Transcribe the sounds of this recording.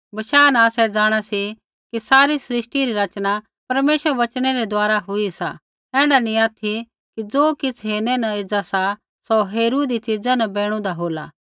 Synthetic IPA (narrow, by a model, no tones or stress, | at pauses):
bɐʃaːnɐaːsɛd͡zaːɽ̃asi | kisaːɾisɾɪʃʈiɾiɾɐt͡ʃña | pɐɾmeːʃəɾɛʋɐt͡ʃɽ̃eɾɛd̪ʊaːɾaɦʊisa̰ | ɛ̃ːɽanĩaːt̪ʰi | kid͡zoːkɪt͡sʰɦeːñɛnɐed͡zasa | soɦeːɾuːd̪it͡sid͡zãnɐbeːɽ̃ũd̪aɦoːla̰ː